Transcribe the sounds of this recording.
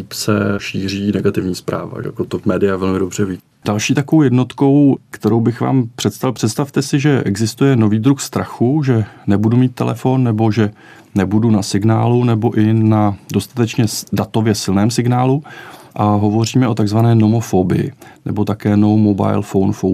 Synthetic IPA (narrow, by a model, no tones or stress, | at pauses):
ipsɛʃiːr̝iːnɛɡat̪ɪvɲiːspɾa̰ːva̰ja̰kot̪omɛːdɪjavɛlmɪdo̞br̝ɛviː | d̥alʃiːt̪akovowjɛdno̞t̪ko̞wkt̪ɛɾo̞wbɪxva̰ːmpr̝̥ɛt̪st̪alpr̥ɛt̪st̪aft̪ɛsɪʒɛʔɛɡzɪst̪ujɛno̞viːd̪ɾuxst̪ɾaxuʒɛnɛbudumiːt̪ːɛ̰lʔɛ̰fo̞nːɛbo̞ʒɛ | nɛbudunasɪɡnaːlunɛbo̞ʔɪnado̞st̪ḁt̪ɛt͡ʃɲɛdat̪ovjɛsɪlnɛːmsɪɡnaːluʔaɦo̞vo̞r̝iːmɛʔo̞t̪aɡzvanɛːno̞mofobɪ̰jɪ̰nɛ̰bo̞t̪akɛːnowmoba̰jlfownfo